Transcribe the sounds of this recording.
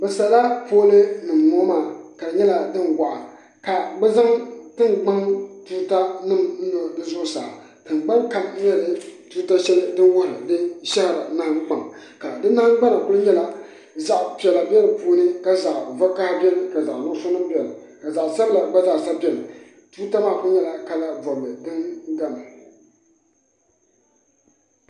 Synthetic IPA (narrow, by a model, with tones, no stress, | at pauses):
bɛ˨sa˨˦la˦poː˦lɨ˦nɨ˨mːoː˦maː˦˨ka˨ɲɛ˦la˨dɨ˦nɡa˨ʔa˨ | ka˨ɡ͡bɛ˦za˦ŋtɨ˦ŋɡ͡ba˦ŋtu˦ɾta˦nɨ˦mn̩˦do˨dɨ˦zʊ˦ʔsa̰ː˨ | tɨ˨nɡ͡ba˦ŋka˨lɛ˦lɨ˨tu˦ta˦ʃɛ˦lɨ˦dɨ˦wʊ˦hɾɨ̰˨dɨ˦nʃɛ˦hɪ˨ɾa˨na˦ha˦k͡pa˨ŋka˨dɨ˦na˦ha˦ŋ˦ɡ͡ba˦na˨kʊ˦lɨ˦ɲɛ˦la˦ | za˨ʔpɛ˨la˨bɛ˦lpuː˦nɨ˦ka˨za˨ʔva˦ka˦bʲɛ˦lɨ˦˨ka˨za˨ʔnʊ˦so˦nɨ˦m˦bɛ˨la˨ka˨za˨ʔsa˦bla˨ɡ͡ba˦da˦˨sa˦pi˦ɛ˨la˨ | tuː˦ta˦maː˦˨kʊ˦ɲɛ˦˨la˨ka˦la˦vɔ˨mɨ˨dɨ˦n˦ɡa˦ma˨